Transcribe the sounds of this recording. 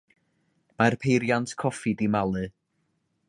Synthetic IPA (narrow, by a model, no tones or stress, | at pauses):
marpʰejɾjantʰkʰɔfidimalˠɨ